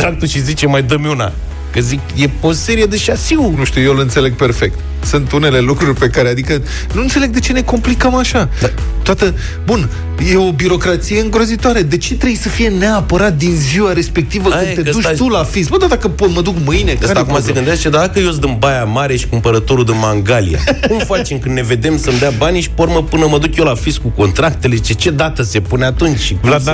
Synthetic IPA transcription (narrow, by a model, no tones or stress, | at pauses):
t̪ɾak̚t̪uʃizit͡ʃemajd̪əmjuna̰ | kəzikje̞ose̞ɾije̞d̪eʃasiwnuʃt̪iujewleɨnse̞le̞ɡ̚pe̞rfe̞k̚t̪ | sunt̪une̞le̞lukɾurʲpe̞kaɾead̪ikə | nuɨnt̪se̞leɡd̪e̞t͡ʃe̞ne̞ko̞mplikəmaʃa | t̪oat̪ə | bun | jeo̞biɾo̞kɾat̪sijeɨŋɡɾo̞zit̪oaɾed̪e̞t͡ʃe̞t̪ɾejsəfije̞neapəɾat̪̚d̪inziwaɾe̞spe̞k̚t̪ivəkɨnt̪ed̪uʃt̪ulafisbəd̪ad̪akəpot̪məd̪ukmɨjneaakumaseɡɨnd̪est͡ʃed̪ad̪akəjos̬d̪ɨmbajamaɾe̞ʃi̥kumpəɾət̪o̞ɾud̪ɨnmaŋɡalija̰kumfat͡ʃemkɨnne̞ve̞d̪e̞msəmd̪eabaniʃi̥poɾməpɨnəməd̪ukjelafiskuko̞nt̪ɾak̚t̪e̞let͡ʃet͡ʃe̞d̪at̪əse̞puneat̪unt͡ʃʲʃi